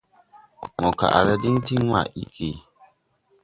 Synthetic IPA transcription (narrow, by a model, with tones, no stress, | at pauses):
mɔ˨ka̰˨ʔa̰˨ɾa˦dɪ˦n˦ti˦ŋ˦wa̰˦˨ʔi˦kʰe˨